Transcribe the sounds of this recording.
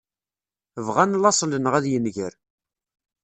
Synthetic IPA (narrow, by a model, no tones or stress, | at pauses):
əvʁænlɑsˤlənʁæðjənʝəɾ